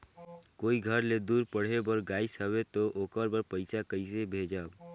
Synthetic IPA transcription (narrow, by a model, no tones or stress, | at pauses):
koːiɡʱəɾled̪uːɾpəɽ̤ebəɾɡaːisəbet̪oʔoːkəɾbəɾpəɪsakəɪsebʱed͡ʒaːb